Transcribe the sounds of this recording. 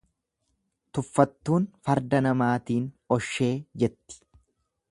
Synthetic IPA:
t̪ʊfːɐt̪ːuːnfɐɾd̪ɐnɐmaːt̪iːn | ɔʃːe̞ːd͡ʒɛt̪ːɪ̥

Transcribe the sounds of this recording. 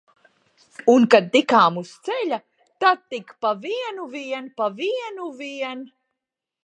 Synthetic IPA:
unkad̪̚ːikaːmust̪sɛlʲa | t̪ad̪̚t̪ːikpaviɛnuviɛnpaviɛnuviɛn

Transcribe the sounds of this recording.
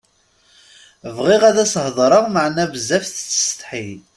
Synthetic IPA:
vʁiʁæðæshðˤɾˤəʁməʕnævəzːæfθt͡sːə̥st̪ħil

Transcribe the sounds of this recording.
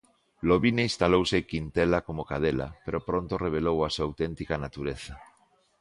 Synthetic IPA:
loβineist̪alowsekint̪elakomokað̞ela̰peɾopɾõnt̪oreβ̞elowasuawt̪ent̪ikanat̪uɾeθa

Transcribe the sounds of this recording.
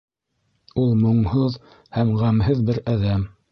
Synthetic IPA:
ulˠmŏɴhoð | hæmʁæmɦɘðbɘɾæðæm

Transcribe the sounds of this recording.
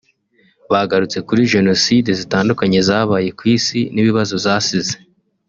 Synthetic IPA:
βaɡaɾut͡se̞kuɾiʒe̞no̞sidezitaːndukaɲe̞zaːβaːje̞kwiːsiniβiβazozaːsize

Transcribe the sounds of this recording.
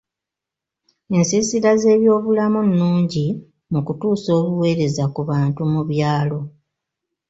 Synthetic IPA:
e̞nsisiɾaze̞ːβjo̞ːβulamunːuːɲɟi | mukutuːso̞ːβuwe̞ːɾe̞zakuβaːntumuβjaːlo̞

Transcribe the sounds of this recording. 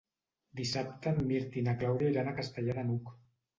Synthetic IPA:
d̪isap̚t̪əmiɾt̪inaklawðjailanakast̪aʎaðanuk

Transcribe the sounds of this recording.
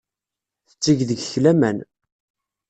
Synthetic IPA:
θə̥t͡sːiʝðəɡçlæmæn

